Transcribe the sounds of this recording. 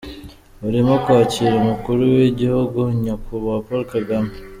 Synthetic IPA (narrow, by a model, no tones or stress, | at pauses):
uɾimokwaːciːɾamukuɾuweɟihuɡuɲakuβapoɾkaɡama